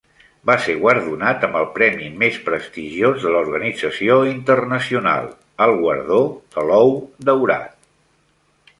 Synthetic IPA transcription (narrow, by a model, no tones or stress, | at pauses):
baseɣwəɾðunat̪əmbəlˠpɾɛmimespɾəst̪iʒiozðəluɾɣənid͡zəsioint̪ərnəsiuna̰lˠ | əlˠɣwəɾð̞od̪əlɔwd̪əwɾa̰t̪̚